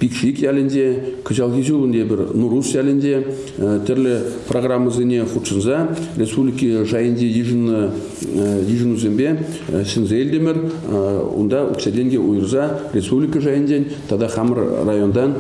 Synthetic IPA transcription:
pʲikʃikʲælʲɪnd̪e̞kʰəʒɑlˠxʲizulˠənd̪ebɪɾnuɾusʲælʲɪnd̪e̞ | t̪ʰʏɾlɪpʰroɡramːəzeneχut̪ʃənzɑrʲe̞spublʲikəʒɑjənd̪ejiʒnə | jiʒənuzʲembe | sɪnzelʲd̪emɪɾ | wo̰nd̪ɑʔɵ̰ksʲed̪ʲenɡʲewʔojəɾzɑrʲe̞spublʲijkəʒɑjənd̪en | t̪ʰɑd̪ɑχɑməɾːajo̞nd̪ɑn

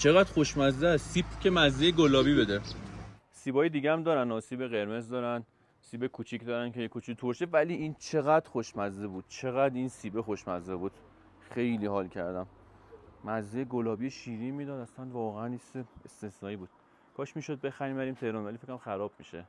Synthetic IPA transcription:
t͡ʃʰeɣæd̪̥xoʃmæzd̪eæssiːb̚cʰemæzːejeɡolɒːbibed̪e | siːbɒːjed̪iːɟeæmd̪ɒːɾænɒːsiːbeɣe̞ɾme̞zd̪ɒːɾæn | siːbekʰuːt͡ʃʰicd̪ɒːɾænkʰejekʰut͡ʃʰit̪ʰoɾʃevæliːʔint͡ʃʰe̞ɣæd̪̥xoʃmæzdebuːd̪̥̚t͡ʃʰe̞ɣæd̪insiːbexoʃmæzːebuːd̪̥ | xe̞jliːhɒːlcʰæɾd̪æmː | æzːejeɡolɒːbijeʃiːɾimiːd̪ɒːd̪æslænd̪vɒːɣeæniseest̪esnɒːiːbuːd̪̥ | kʰɒːʃmiːʃod̪̚be̞xæɾimbæɾiːmt̪ʰe̞hɾonvælifekʰːoæmxæɾɒːb̥mḭʃe

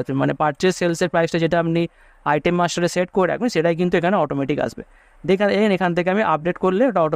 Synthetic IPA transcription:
t̪manepaʈt͡ɕeselseɾpɾajsʈad͡ʑeʈaapni | ajʈemːasʈaɾeseʈkoɾɾɛ̰kʰunʃeʈajk̬int̪uekʰaneɔʈomeʈika̰ʃbḛ | d͡ʑekʰanenekʰant̪ʰekeamiʔa̰p̚ɖeʈkoɾleoʈaɔʈo

